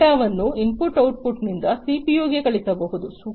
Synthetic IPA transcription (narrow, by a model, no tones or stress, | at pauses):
aːʋɐnːuimpuʈɐwʈ̚puʈnind̪ɐsipijoːɡekɐɭisɐbɐɦud̪usu